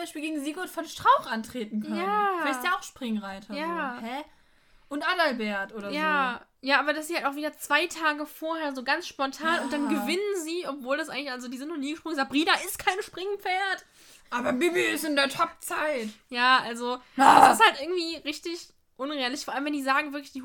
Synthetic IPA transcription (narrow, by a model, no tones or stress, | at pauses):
aɪʃpiːlɡeːɡŋ̩ziːɡɔtfɔnʃtʁ̥aʊxʔantʁ̥eːtn̩kʰœjaːvɛstjaːaʊxʃpʁ̥ɪŋʁaɪtʰɐjaːhɛ | ʔʊntʔalalbeːɐtʔoːɾɐjaːjaːʔaːbɐdasz̥iːhaltaʊxviːdɐt͡sv̥aɪtʰaːɡəfoːɐheːɐzoːɡant͡sʃpɔntʰaːnʊnt̚d̥anɡəvɪnənziːʔɔpv̥oːldas̬ʔaɪŋlɪçʔalzodiːzɪntnʊːniːɡəʃpʁ̥ʊŋzabʁiːnaɪst̚kʰaɪnʃpʁ̥ɪŋpp͡feːɐt | ʔaːbɐbɪbiɪsɪndeːɐtʰɔp̚t͡saɪtjaːʔalzoɪsthaltʔɪɐɡŋ̩tv̥iːʁɪçtɪç | ʔʊneːɐlɪçfɔːɐaləmvɛndiːzaːɡŋ̩vɪɐklɪçd̥iː